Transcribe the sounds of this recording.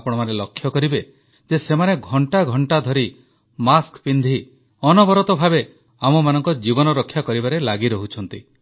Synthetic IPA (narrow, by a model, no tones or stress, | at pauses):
pɔɽ̃ɔmaɾelɔkʰːjɔkɔɾibe | d͡ʒesemaneɡʱɔɳʈaɡʱɔɳʈad̪ʱɔɾi | maskpind̪ʱi | ɔnɔbɔɾɔt̪ɔbʱabe | amɔmanɔŋkɔd͡ʒibɔnɔɾɔkʰːjakɔɾibaɾelaɡiɾɔɦut͡ʃʰɔn̪t̪i